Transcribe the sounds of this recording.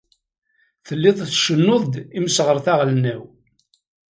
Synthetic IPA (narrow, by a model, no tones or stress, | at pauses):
θəlːɪðˤθʃənːoðˤd̪iməsʁəɾθaʁlnæw